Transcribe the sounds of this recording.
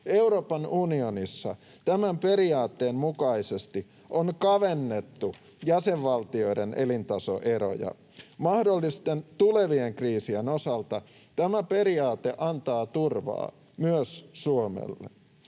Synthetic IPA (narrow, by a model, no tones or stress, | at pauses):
euɾoːpɑnunionisːɑ̰ | t̪æmæmpe̞ɾiɑːt̪ːeːmmukɑisest̪i | ʔonkɑʋenːet̪ːu | jæseʋʋɑlt̪io̞idenʔḛlint̪ɑso̰ʔeɾo̰jɑ̰ | mɑhdolːist̪ent̪ule̞ʋieŋkriːsienosɑlt̪ɑ | t̪æmæpe̞ɾiɑːt̪eʔɑnt̪ɑːt̪urʋɑ̰ː | myøssuomḛlːḛ